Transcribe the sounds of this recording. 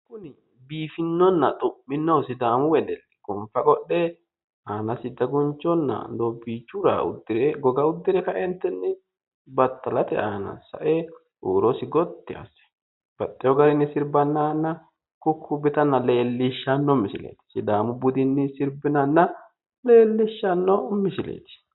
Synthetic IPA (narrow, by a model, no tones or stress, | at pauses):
kʊnɪ | biːfɪnːɔnːɐt̪ʼʊpːɪnːɔwsɪd̪aːmʊwɛd̪ɛlːɛ̥ɡɔɱfɐkʼɔɗːɛ | aːnɐsɪd̪ɐɡʊnt͡ʃːɔnːɐ̰dobiːt͡ʃːʊɾa̰ʊ̰d̪ːɪɾɛɡɔɡɐʊd̪ːɪɾɛkɐʔɛnt̪ːɛnːɛ | bɐt̪ːɐlɐt̪ɛ̰aːnɐ̰sɐ̰ʔɛ | ʔuːɾɔsɪɡɔt̪ːɪɐ̰sɛ̥ | b̥ɐtːɛjɔɡɐɾɪnːɪsɪɾbɐnːanːɐ | kʊkʰːʊbɛt̪ɐnːɐle̞ːlːɪʃːanːɔmɪsɪlḛːt̪ɪ̥sɪd̪aːmʊbʊd̪ɪnːɪsɪɾbɪnɐnːɐ | le̞ːlːɪʃːɐnːɔmɪsɪlḛːt̪ɪ̥